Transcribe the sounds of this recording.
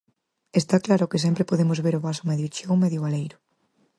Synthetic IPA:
est̪aklaɾʊkɪs̬ɛmpɾɪpoðemʊzβeɾʊβasʊmeðjot͡ʃowmeðjoβalejɾʊ

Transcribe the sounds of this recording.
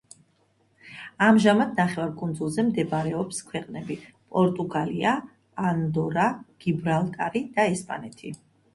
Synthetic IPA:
amʒamad̪naχɛvaɾkʼund̪zulˠzɛmd̪ɛbaɾɛɔpskʰwɛqʼnɛbi | pʼɔɾt̪ʼuɡaliaː | nd̪ɔɾaɡ̥ibɾalˠt̪ʼaɾid̪̥aɛspʼa̰nɛt̪ʰi

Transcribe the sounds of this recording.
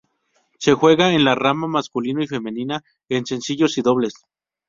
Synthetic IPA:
se̞xwe̞ɣaenlaramamaskulinoife̞mẽ̞nĩna | ense̞nsiʝo̞siðo̞βle̞s

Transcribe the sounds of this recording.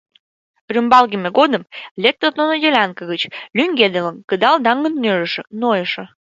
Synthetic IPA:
rʲymbɑlˠɡʲimʲeɡod̪əmlʲek̚t̪ərnonojʲelʲɑnkəɣət͡ɕlʲyŋʲɡʲed̪elənkəd̪ɑlˠd̪ɑŋːənnøɾə̆ʃə̆nojəʃə̆

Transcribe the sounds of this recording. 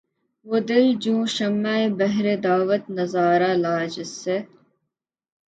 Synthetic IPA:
wod̪eld͡ʒũːʃɐmːaːibɐɦɾed̪aːʋɐt̪nɐzaːɾalaːd͡ʒɪse

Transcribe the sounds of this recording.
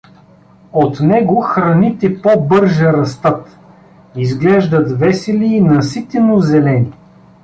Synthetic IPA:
ot̪nɛɡoxɾɐnit̪ɛpobɤɾʒɛɾɐst̪ɤt̪ | izɡlɛʒd̪ɐt̪vɛsɛliːnɐsit̪ɛnozɛlɛni

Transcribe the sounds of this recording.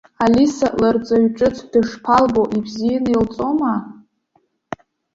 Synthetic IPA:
alisaʔlart͡sʼaɥʈ͡ʂʼɨt͡sʰdɨʂpʰalboʔibzijanɨilt͡sʼoma

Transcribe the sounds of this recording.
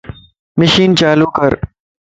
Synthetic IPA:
məʃiːnt͡ʃaːluːkəɾ

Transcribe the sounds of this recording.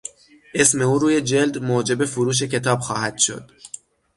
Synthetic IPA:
ʔe̞sme̞uːɾuːje̞d͡ʒe̞ld̪moːd͡ʒe̞be̞foɾuːʃ̬e̞cʰe̞t̪ʰɒːbxɒːhæd̪̥ʃo̞̰d̪̥

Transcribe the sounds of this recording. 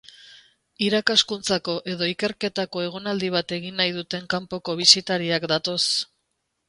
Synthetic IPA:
iɾakaskunt͡sako̞ʔe̞ðo̞ike̞ɾke̞t̪ako̞e̞ɣ̞onald̪iβ̞at̪e̞ɣinːajðut̪e̞ŋkampo̞ko̞β̞isit̪aɾiakd̪at̪o̞s

